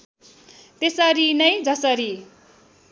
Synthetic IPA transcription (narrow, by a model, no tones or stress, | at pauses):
t̪esʌɾinʌjd͡zʌsʌɾi